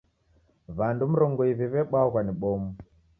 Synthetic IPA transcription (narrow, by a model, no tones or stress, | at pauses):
βandum̩ɾɔŋɡɔiβiβɛɓauɣwaniɓɔmu